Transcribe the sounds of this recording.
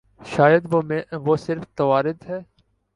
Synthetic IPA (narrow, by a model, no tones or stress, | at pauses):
ʃaːjəd̪ʋoːmẽʋoːsɪɾft̪ɐʋaːɾɪd̪ɦɛː